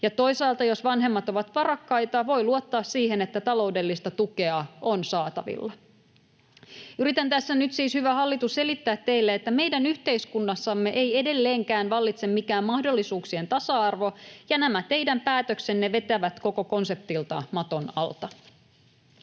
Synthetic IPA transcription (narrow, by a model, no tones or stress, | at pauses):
jɑt̪o̞jsɑːlt̪ɑjo̞sʋɑnɦe̞mːɑt̪o̞ʋɑt̪pɑrɑkːɑjt̪ɑʋo̞jluot̪ːɑːssiːɦe̞ne̞t̪ːæt̪ɑlo̞wde̞lːist̪ɑt̪uke̞ɑo̞nsɑːt̪ɑ̰ʋḭlːɑ | yɾit̪ænt̪æsːænyt̪siːshyʋæhɑlːit̪usse̞lit̪ːæːt̪ːe̞jlːeet̪ːæme̞jdænyçt̪e̞iskunːɑsːɑmːe̞ʔe̞je̞de̞lːe̞ːŋkæːnʋɑlːit̪se̞mmikæːmmɑhdo̞lːisuːksie̞nt̪ɑsɑɑrʋo̞jɑnæmæt̪e̞jdæmpæːt̪økse̞nːe̞ʋe̞t̪æʋæt̪ko̞ko̞ko̞nse̞p̚t̪ilt̪ɑ̰mɑt̪o̞nɑ̰lt̪ɑ